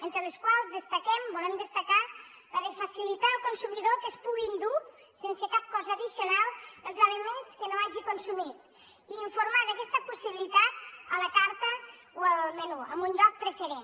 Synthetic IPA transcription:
ent̪ɾələskwalˠzðəst̪əkɛmbolɛmd̪əst̪əka | əðəfəsilit̪aəlˠkonsumiðokəspuɣind̪u | sensəkap̚kɔzəːðisionalˠəlˠzələmenskənoaʒikonsumit̪ | iːɱfuɾmaðəkɛst̪əpusiβilit̪at̪̚ələkaɾt̪ə | oəlmənuə̰mbunʎɔk̚pɾəfəɾen

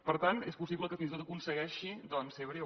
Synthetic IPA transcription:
pəɾt̪anespusiβləkəfinst̪ot̪əkunsəɣɛʃid̪ɔnseβɾe

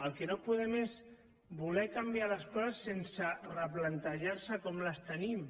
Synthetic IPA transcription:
əlˠkenopuðɛmez | bulɛkambialəskɔzəsːensərəplant̪əʒaɾsəkɔmləst̪ənim

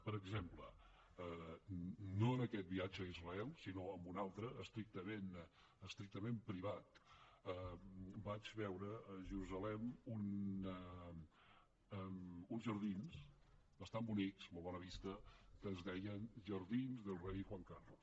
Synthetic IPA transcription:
pəɾəɡzemplə̰ | ə | noənəkɛt̪̚biad͡ʒəizrəɛlˠsinoəmbunalˠt̪ɾəʔːst̪ɾik̚t̪əmen | əst̪ɾik̚t̪əmempɾiβ̞at̪əbad͡ʒβɛwɾəːʒəɾuzəlɛmun | əunzʒəɾðinsbəst̪ambuniksmolˠβɔnəβist̪əkəzðɛjənʒəɾðinzðəlˠrejʝwaŋkarlus

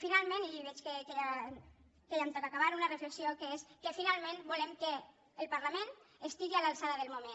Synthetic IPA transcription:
finalˠmẽniiβɛt͡ʃkekea | kejamt̪okakaβaɾunarəfləksiokeeskəfinalˠmẽnbulemkəː | lˠpaɾlamẽnəst̪iɣialalˠsaðaðəlˠmumen

